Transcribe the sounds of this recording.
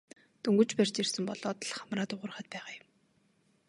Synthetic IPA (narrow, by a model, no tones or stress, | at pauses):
t̪ɵŋɡɵ̆t͡ɕpær̥ʲt͡ɕirsɘ̆mpɔɮɔːt̪ɮχamraːt̪ʊʁʊ̆rχə̆t̪̚pæːʁaːjʊm